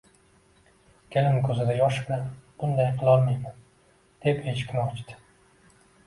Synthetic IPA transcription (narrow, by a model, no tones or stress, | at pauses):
kʲʰelɪmkʰɵzɪd̪ajɒʃblanb̥ʊnd̪ajqʰɨlˠɒɾmajman | d̪̥e̞pet͡ʃʰɪ̥kʲʰɪnɒt͡ʃd̪ɪ̥